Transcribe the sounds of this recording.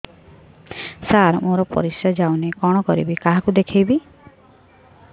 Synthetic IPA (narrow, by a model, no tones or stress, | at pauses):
saɾmoɾɔpɔ̰ɾisjɔd͡ʒawnekɔɽ̃ɔkɔɾḭbikaɦakud̪ekʰejbi